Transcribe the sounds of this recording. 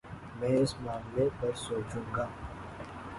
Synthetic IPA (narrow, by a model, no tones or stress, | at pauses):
mɛ̃ːɪsmaːmlepɐɾsoːt͡ʃũːɡaː